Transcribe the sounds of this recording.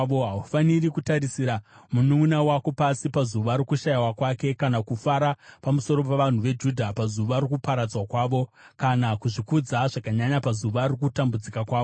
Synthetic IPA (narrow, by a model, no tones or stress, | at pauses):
ʋoɦaufanirikutaɾisiɾamunumunawako̞pasipazuʋaɾikuʃajawakwake̞kanakufaɾapamuso̞ɾo̞p̬eʋan̤uʋe̞d͡ʒudʱapazuʋarikupaɾad͡zwakwaːʋo̞ | kanakuʐikud͡zaʐ̥akaɲaɲapazuʋarikutambud͡zikakwaːo